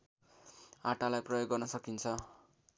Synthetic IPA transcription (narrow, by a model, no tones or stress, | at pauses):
aʈalajprʌjoɡːʌrnʌsʌkint͡sʰʌ